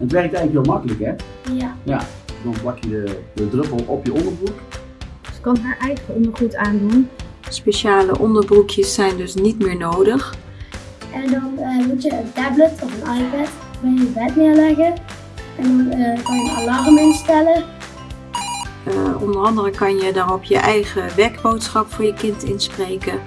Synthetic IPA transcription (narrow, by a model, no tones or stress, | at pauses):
ətʋɛrk̚tɛjləkʋɪːlˠmɑkələkɛjaja | dɔnbɑkjədədədrøpəlˠɔpjəɔndərbruk | skɑnɦɛʔɛjɣlənɔχutaːndunspeʃaːləʔɔndəɹbrukʰjəsːɛjndɵsnitmɪːɹnowdəx | ʔɛndɔnmutjəəntɛblətʰɔfənajpɛt | bɪjəbɛtnɪəɹlɛɣə | ɛndɔnkɑnjəalɑrmɪnstɛlə | ʔɔ̰ndərɑndərəkɑnjədɔnɔpjə̰ʔɛjχəʋɛɹkbowtsχɑpfʊːɹjəkɪntɪnsprejkə